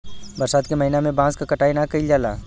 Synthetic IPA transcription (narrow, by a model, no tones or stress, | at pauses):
bɐɾsaːt̪̚kemɐɦinamẽbãːskakɐʈaːinakɐid͡ʒaːla̰ː